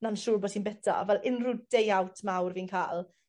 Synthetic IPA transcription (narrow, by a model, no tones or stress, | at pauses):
nanʃuːrbɔːdsʰiːnbɛtʰa̰vɛlʔɪnrʊd̥ejawtʰmawrviːnkʰaːlˠ